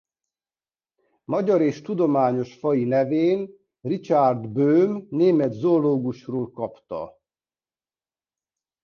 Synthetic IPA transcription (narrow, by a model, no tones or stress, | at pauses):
mɒɟɒɾeːʃt̪ud̪o̞maːɲo̞ʃfɒjinɛveːn | rit͡ʃard̪bøːmneːmɛt̪zooloːɡuʃroːlkɒpt̪ɒ̰